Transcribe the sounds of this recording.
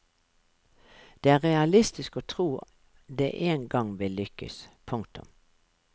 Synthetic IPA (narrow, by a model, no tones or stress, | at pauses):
d̪̥eːæːʁɛɑlɪst̪ɪskoːt̪ʰʁuː | d̪ḛːʔeːnɡɑŋʋɪlʏkə̰spʰʊŋkt̪ʊ̰m